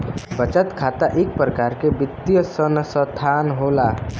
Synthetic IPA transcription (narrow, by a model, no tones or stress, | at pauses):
bət͡ʃət̪kʰat̪aʔek̚pɾəkaɾkebit̪ːjəsənsət̪ʰanɦola